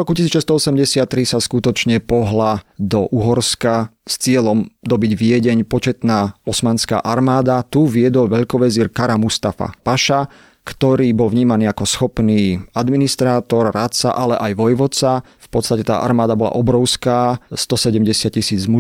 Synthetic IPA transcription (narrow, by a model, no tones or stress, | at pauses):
ɾɔkucisiːt͡ʃɛst̪ɔɔsɛmɟɛsɪat̪ːɾisaskut̪ɔt͡ʃɲɛpɔɦlad̪ɔʔuɦɔɾskast͡sɪɛlɔmd̪ɔbiɟʋɪɛɟɛɲpɔt͡ʃɛt̪naːɔsmaːnska̰ːʔaɾmaːd̪at̪uʋɪɛd̪ɔlʋɛʎkɔʋɛziːɾkaɾamust̪afa̰paʃa | kt̪ɔɾiːbɔlvɲiːmaniːakɔsxɔpniːad̪minist̪ɾaːt̪ɔɾːat̪sa̰ʔalɛʔajʋɔjʋɔt͡sa | fpɔt̪st̪acɛt̪a̰ːʔa̰ɾmaːd̪abɔla̰ʔɔbɾɔʊskaːst̪ɔsɛɟɛmɟɛsɪat̪̚cisiːd͡zmu